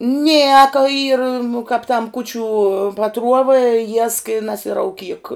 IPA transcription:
ˈnʲiɛkɐ ˈiːrɐ nʊ kɑːp tɐm ˈkuːt͡ʃʲʊ pɐˈtruɔʋɐ jiɛsk ɪ nɐsʲɪrɐʊˈkʲiːk

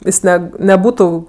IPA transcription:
ˈɪs ˈnʲɛ nʲɛˈbuːtʊ

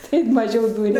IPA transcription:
ˈtɐɪp mɐˈʒʲɛʊ ˈduːrʲɛ

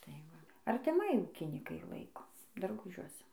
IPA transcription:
tɐɪ ˈʋɐ ɐrʲtʲɪˈmɐɪ ˈuːkʲiːnʲɪkɐɪ ˈlˠɐɪkoː dɐrˈɡʊʒʲuɔsʲɛ

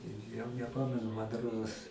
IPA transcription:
ɪ jɛʊ nʲɛˈpɑːmʲɛnʊ mɐn ˈroːdoːs

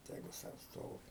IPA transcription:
ˈtʲæːɡʊ ˈsɐʊ ˈstoːʋʲɪ

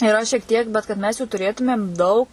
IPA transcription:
iːˈrɐ ʃʲiɛk ˈtʲiɛk bʲɛt kɐt ˈmʲɛs juː tʊˈrʲeːtʊmʲeːm ˈdɐʊk

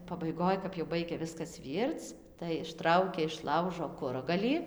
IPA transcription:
pɐbɐɪˈɡoːj kɐp jɛʊ ˈbɐɪɡʲɛ ˈʋʲɪskɐs ˈʋʲiːrt͡s tɐɪ ɪʃˈtrɐʊkʲɛ ɪʃ ˈlˠɐʊʒoː ˈkʊrɐɡɐlʲiː

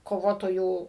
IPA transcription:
koːˈʋoːtoːjuː

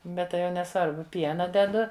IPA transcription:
ˈbʲɛt tɐɪ jɛʊ nʲɛˈsʋɐrbʊ ˈpʲiɛnɐ dʲɛˈdʊ

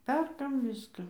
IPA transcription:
ˈpʲɛrkɐm ˈʋʲɪskɑː

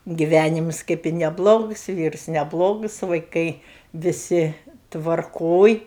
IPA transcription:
ɡʲɪˈʋʲænʲɪmʊs kɐp ɪ nʲɛˈblˠoːɡʊs ˈʋʲiːrʊs nʲɛˈblˠoːɡʊs ʋɐɪˈkɐɪ ʋʲɪˈsʲɪ tʋɐrˈkoːj

